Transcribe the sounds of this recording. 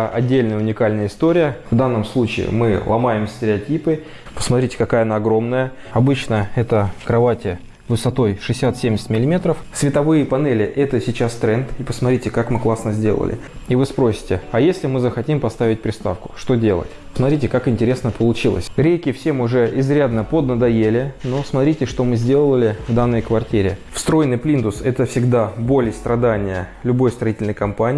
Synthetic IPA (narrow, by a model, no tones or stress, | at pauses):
ʔɐ̰dʲːelʲnəjəʊnʲɪkalʲnəjəɪst̪oɾʲɪjəvd̪anːəmslˠut͡ɕɪ̰ɪ̰mɨlˠɐ̰majɪmsʲtʲɪɾʲɪɐtʲipɨ | pə̥smɐt̪ɾʲitʲɪ̥kɐkajənaːɡɾo̞mnəjə | ɐbɨt͡ɕnəɛt̪əkɾɐvatʲɪ | vɨsɐt̪o̞jʂɨsʲat̪sʲemʲɪsʲɪtʲmʲɪlʲɪmʲe̞t̪ɾəfsʲvʲɪt̪ɐvɨjɪpɐnɛlʲɪʔɛt̪əsʲɪt͡ɕast̪ɾɛnt̪ipəsmɐt̪ɾitʲɪkakmɨklˠasnəzʲdʲe̞lˠə̰lʲɪ̰ | ivɨspɾo̞sʲɪ̥tʲɪɐjesʲlʲɪmɨzəxɐtʲimpɐst̪avʲɪt̚ʲpɾʲɪst̪a̰fkʊ̥ʂt̪o̞dʲe̞lˠə̰tʲ | smɐt̪ɾʲitʲɪkakɪnʲtʲɪɾʲe̞snəpəlˠʊt͡ɕilˠə̰sʲɾʲejkʲɪfsʲemʊʐɛʔɪzɾʲad̪nəpod̪nəd̪ɐjelʲɪnosmɐt̪ɾʲitʲɪʂt̪o̞mɨzʲdʲe̞lˠəlʲɪvd̪anːəjkvɐrtʲiɾʲɪfst̪ɾo̞jnɨjplʲind̪ʊsɛt̪əfsʲɪɡd̪abolʲɪjst̪ɾɐd̪anʲɪjəlʲʊbo̞jst̪ɾɐitʲɪlʲnəjkɐmpanʲɪ